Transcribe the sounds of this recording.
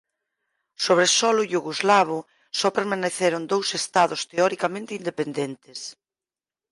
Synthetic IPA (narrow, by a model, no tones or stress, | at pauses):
soβɾesɔlʊʎuɣuzlaβ̞ʊ | sɔpeɾmaneθeɾʊnd̪owsest̪aðost̪eɔɾikamẽnt̪eind̪epend̪ent̪es